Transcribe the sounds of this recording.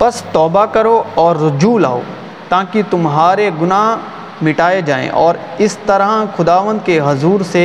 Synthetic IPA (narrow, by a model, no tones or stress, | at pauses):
pɐst̪ɔːbakɐɾoɔːɾːʊd͡ʒuːla̰ːo̰ː | t̪aːkit̪ʊmɦaːɾeɡʊnaːɦ | mɪʈaːed͡ʒaːḛ̃ʔɔːɾ | ɪst̪ɐɾaxʊd̪aːʋə̃nd̪̚keɦɐzuːɾse